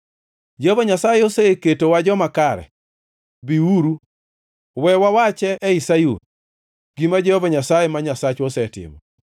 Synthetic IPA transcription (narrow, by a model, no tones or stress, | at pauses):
d͡ʒɔvɔɲasajɛosɛketowad͡ʒɔmakaɾɛ̰ | biuɾu | wɛwawat͡ʃɛʔːisajṵn | ɡ̥imad͡ʒɔɔvɔɲasajɛmaɲasat͡ʃosɛtɪ̰mɔ̰